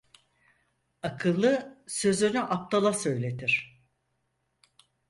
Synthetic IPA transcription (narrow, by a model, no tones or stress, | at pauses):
akʰɯlˠːɯsø̞zynyʔap̚t̪ʰalˠasø̞jlʲe̞t̪ʰiɾ̥